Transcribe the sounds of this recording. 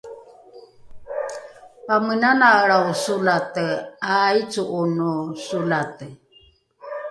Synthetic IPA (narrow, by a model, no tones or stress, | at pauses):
pamənanaɺausulat̪əait͡suʔːnusulat̪ə